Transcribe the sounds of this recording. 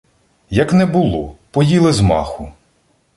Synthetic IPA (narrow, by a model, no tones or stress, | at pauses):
jɐknɛbʊlˠɔpɔjilˠɪzmɑ̰xʊ